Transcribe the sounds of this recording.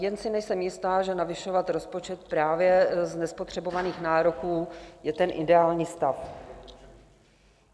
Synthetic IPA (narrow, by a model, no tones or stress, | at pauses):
jɛnsɪnɛjsɛmjɪst̪aːʒɛnavɪʃo̞vat̪ɾo̞spo̞t͡ʃɛt̪̚pɾaːvjɛznɛspo̞t̪r̝̥ɛbo̞vaniːxnaːɾo̞kuːjɛt̪ɛnʔɪdɛaːlɲiːst̪af